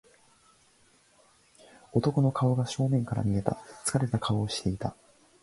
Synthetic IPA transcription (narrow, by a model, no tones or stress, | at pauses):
o̞t̪o̞ko̞no̞kao̞ɡaɕo̞ːnẽ̞ŋkaɾa̰mʲie̞t̪a̰t͡sɨ̥kaɾe̞t̪akʰaoːɕi̥t̪e̞it̪a